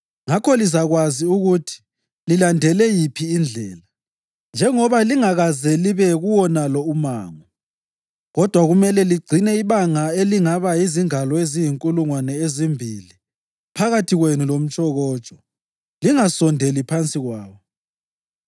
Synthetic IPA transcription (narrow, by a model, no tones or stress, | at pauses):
ŋakʰɔlizaɣwaziuɣutʰi̥ | lilandʱɛlɛjipʰiːnd͡ɮʱɛ̰ːla | nd͡ʒʱɛŋɔβaliŋaɣazɛliβɛɣuwɔnalɔuma̰ːŋɔ | ɣɔd̥ʱwaɣumɛlɛliɡ͡ǀʱinɛiβaŋaeliŋaβaiziŋalɔezijiŋkʼuluŋwanɛezimbʱḭli | pʰaɣatʰiɣwenulom̩t͡ʃʼɔɣɔːt͡ʃʼɔ̥ | liŋasɔndʱelipʰant͡sʼiɣwaːβɔ